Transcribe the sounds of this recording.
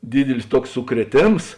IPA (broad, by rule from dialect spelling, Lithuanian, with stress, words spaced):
ˈdʲiːdʲɪlʲɪs ˈtuɔks sʊkrʲiɛˈtʲeːms